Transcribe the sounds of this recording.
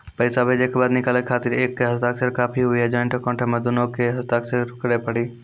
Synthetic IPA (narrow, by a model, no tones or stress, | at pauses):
pɐɪsabʱeːd͡ʒekebaːd̪nɪkaːlekʰaːt̪ɪɾeːkːeɦɐst̪aːksəɾkaːpʰiɦʊiɦɛd͡ʒaːnʈ̪okɔ̃ːʈʰemẽd̪ʊnõkeɦɐst̪aːksəɾkɐɽepɐɽiː